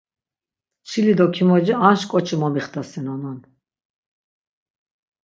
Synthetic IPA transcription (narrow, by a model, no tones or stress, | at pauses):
t͡ʃʰilid̪ɔkʰimɔd͡ʒianʃkʼɔt͡ʃʰimɔmiχt̪ʰasɛnɔnɔn